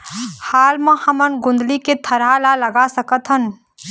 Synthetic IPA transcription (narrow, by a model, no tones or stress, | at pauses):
haːlmãhɐmənɡʊ̃nd̪liket̪ʰɐɾalaləɡasəkət̪ɦən